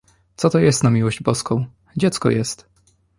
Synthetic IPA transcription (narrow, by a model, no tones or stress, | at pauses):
t̪sɔt̪ɔjɛst̪namʲiwɔʑd͡ʑbɔskɔ̃w̃ | d͡ʑɛt̪skɔ̰jɛst̪